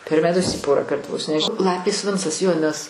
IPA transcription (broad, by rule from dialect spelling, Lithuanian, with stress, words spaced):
pʲɛr mʲɛˈtʊs ˈiː ˈpoːrɑːˌkɐrt ʋoːs nʲɛʃ ˈlˠɑːpʲeːs ˈʋʲɪnt͡sɐs joː nʲɛs